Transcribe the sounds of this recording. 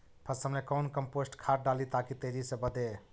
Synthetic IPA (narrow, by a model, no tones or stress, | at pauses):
pʰəsəmlekɔwnkəmposʈkʰaʈ̚ɖalit̪akit̪eɾisə̃bəd̪e